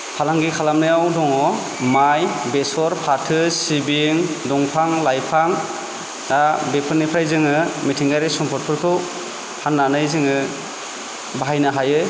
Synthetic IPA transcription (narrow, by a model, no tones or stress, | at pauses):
pʰalaŋɡikʰalamnɯjawdɔŋɔ | majbesɔɾpʰatʰɯsibiŋdɔŋpʰaŋlajpʰaŋ | dabepʰɯɾnipʰɾajzɯŋɯmitʰiŋɡajɾesɔmpʰɔt̚pʰɯɾkʰɯw | hanːanɯjzɯŋɯ | baɦajnɯɦajɯ